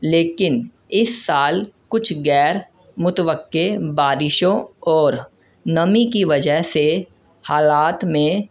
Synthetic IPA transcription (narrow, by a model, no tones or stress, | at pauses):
leːkɪn | ɪsːaːlkʊt͡ʃʰɡɛːɾ | mʊt̪əʋəkːebaːɾɪʃõɔːɾ | nɐmikiʋɐd͡ʒəɦse | haːlaːt̪mẽ